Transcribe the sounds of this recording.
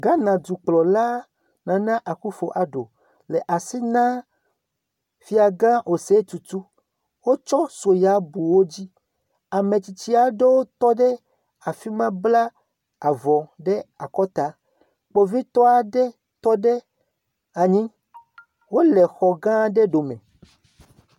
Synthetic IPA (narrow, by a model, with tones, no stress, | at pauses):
ɡã˦nã˨d̪u˨k͡plɔ˨la˦ | nã˨nã˦ʔa˨ku˦fo˨ʔa˨ɖo̰˨ | lɛ˨ʔa˨si˦nã˦ | fi˦a˨ɡã˦ʔo˨se˦t̪u˨t̪u˦ | wo˦t͡ʃɔ˦so˨ja˨˦bu˨wo˦d͡ʑi˦ | a˨mẽ˨t͡ɕi˨t͡ɕi˦a˨ɖe˦wo˦t̪ɔ˦ɖɛ˦ | a˨fi˦mã˦bla˦ | a˨vɔ˨ɖɛ˦a˨kɔ˦t̪a˨˦ | k͡po˨vi˦t̪ɔ˦a˨ɖɛ˦ | t̪ɔ˦ɖe˦ | a˨ɲĩ˦ | wo˦lɛ˨xɔ˨ɡã˦ɖe˦ɖo˨mɛ̰̃˨